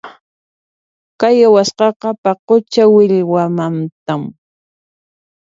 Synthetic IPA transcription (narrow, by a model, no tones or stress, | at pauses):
kajawasqɑqɑpɑqʊt͡ʃawɪʎwamant̪am